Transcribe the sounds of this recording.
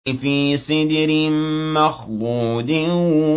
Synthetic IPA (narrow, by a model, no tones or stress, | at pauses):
fiːsɪd̪ɾɪmaxlˤuːd̪ɪ